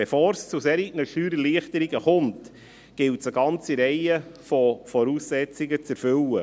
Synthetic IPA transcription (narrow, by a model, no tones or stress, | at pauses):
befoːɾst͡suseːɾiɡnəʃyːɾəliəχtəɾiɡəχɔmt | ɡ̥ɪltsəɡɑnt͡siɾɛɪəfɔfɔɾuːsːɛt͡siɡət͡sɛɾfʏlə